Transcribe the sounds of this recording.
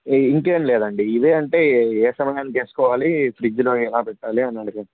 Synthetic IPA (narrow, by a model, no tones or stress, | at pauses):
iŋkeːnlɛːd̪ɐɳɖiid̪eːɐɳʈe̞ːeːsɐmɐjaːnːik̪eːsu̥kɔːʋaːlipɾid͡ʒloːɛlaːpɛʈːaːliɐnːɐɽɐkɐ